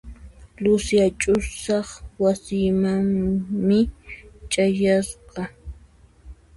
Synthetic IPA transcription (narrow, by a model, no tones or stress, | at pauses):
lʊsjat͡ʃʼʊsɑχwasɪmaŋmɪt͡ʃʼajasqɑ